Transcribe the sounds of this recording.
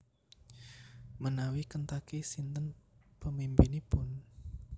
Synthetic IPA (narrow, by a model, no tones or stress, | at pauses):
mənawikənt̪akisint̪ənpəmimpinipʊn